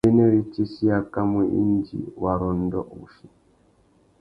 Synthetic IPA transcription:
i˦ne˦ɾi˦t͡ʃi˦si˦a˨ka˦mi˨ʔḭ˦nd͡ʒḭ˨wa˨ɾɔ˨n˦dɔ̰˦ʔu˨ʃi˨

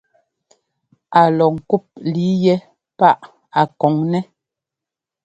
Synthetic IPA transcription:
a˨lɔ˨ŋ̩˨ku˦˨p̚li˨˦jɛ˦ | pa˦ʔ | a˨kɔ˨˦ŋnɛ˦

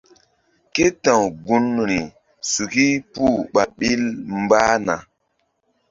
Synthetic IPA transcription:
ke˦tã˨wɡu˦n˨ɾi˨ | su˨ki˦pu˦˨ɓa˨ɓi˦lm˦baː˦na˨

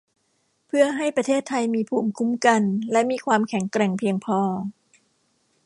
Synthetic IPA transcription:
pʰɯ˥˩ɐɦa˥˩jpɾa˧t̪ʰeː˥˩t̪ʰːa˧jmiː˧pʰuː˨˩mkʰu˦˥mka˧nlɛ˦˥ʔmiː˧kʰwaː˧mkʰɛ˨˩˦ŋkɾɛ˨˩ŋpʰi˧əŋpʰɔː˧

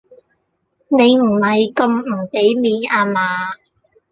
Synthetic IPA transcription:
ne˨˧jm̩˨˩hɐ˨jkɵ˧mm̩˨˩ke˨˥jmiː˨˧naː˧maː˨˧

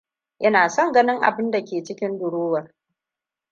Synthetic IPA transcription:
ʔɐ˦naː˨sɔ˦ŋɡɐ˦nɪ˦ŋʔa̰˨bɪ˦nda˨kʲeː˨t͡ʃɪ˦kʲɪ˦ndʊ˨ɽoː˦wɐ˨r

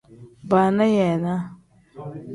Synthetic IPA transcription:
ba˨na˦jɛ˨na˦

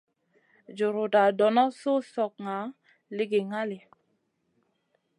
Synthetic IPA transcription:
d͡ʒu˨ɾu˨da˨dɔ˨nɔ˦su˦sɔ˨k̚ŋa˨˦ | lɪ˦ɡi˨ŋa˦li˨

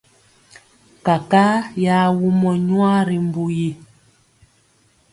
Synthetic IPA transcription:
ka˨ka˦ja˦wu˦mɔ˨ɲwa˦ɾi˨m˦bu˦ji˦

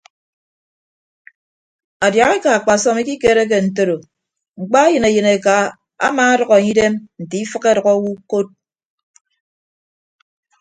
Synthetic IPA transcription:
a˨dja˨ɣe˦ka˨a˨k͡pa˨sɔ˦mi˦ki˦ke˦ɾe˦k̬e˨n̩˨t̬o˦ɾo˨ | ŋ͡m̩˨k͡pa˦e˦jɨ˨ne˨jɨ˨ne˨ka˨ | a̰˦maː˨˦a˦ɾɔ˨ɣɔ˨e˨ɲi˦de˦mn̩˨ti˨i˦fɨ˦ke˦ɾɔ˨kɔ˦wu˦ko˦t̚

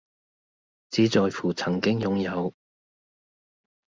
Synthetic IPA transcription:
t͡siː˨˥t͡sɔː˨˧jfuː˨˩t͡sʰɐ˨˩ŋkɪ˥ŋjʊ˨ŋjɐ˨˧w

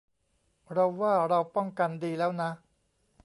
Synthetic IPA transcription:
ɾa˧wːaː˥˩ɾa˧wpɔ˥˩ŋka˧ndiː˧lɛː˦˥wna˦˥

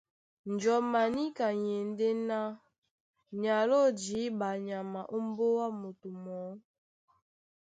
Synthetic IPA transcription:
n̩˨d͡ʒɔ˨ma˨ni˦ka˨je˨n˦de˦na˦ | ɲa˨lo˦d͡ʒi˨˦ba˨ɲa˨ma˨ʔo˦m̩˦bo˦wa˦mo˨tu˨mɔ˨˦

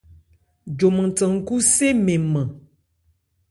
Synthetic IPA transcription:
d͡ʒo˨mə˨tə˨ŋ̩˨ku˦se˦me˨mə˨

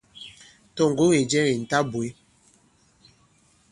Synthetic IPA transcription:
tɔ˦ŋ̩˨ɡo˦ŋe˨d͡ʒɛ˦ɾi˨n̩˨ta˦bwe˨˦

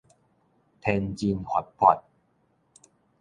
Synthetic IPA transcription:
t̪ʰe˧nt͡ɕi˧nhʰwa˨˩t̚pʰɔ˨˩t̪̚

